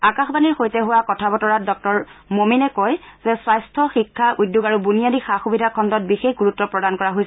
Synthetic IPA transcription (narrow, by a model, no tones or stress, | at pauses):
akaxbaniɹxojtɛɦʊwakɔtʰabɔtɔɹat̚dɔk̚tɔɹmominɛkɔjz̥ɛswajstʰɔxikʰːaʔujdjuɡaɹubunijadixaxubidʱakʰɔndɔt̚bixexɡuɹutːɔpɹɔdankɔɹaɦojs